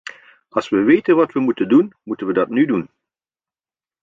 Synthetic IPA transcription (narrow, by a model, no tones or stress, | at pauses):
ɑlˠsʋəʋejtənʋɑtʋəmutəndunmutənʋədɑtnydun